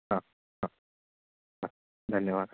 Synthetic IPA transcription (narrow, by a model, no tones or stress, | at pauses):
ɦã | ɦã | a | d̪ʱənjəʋad̪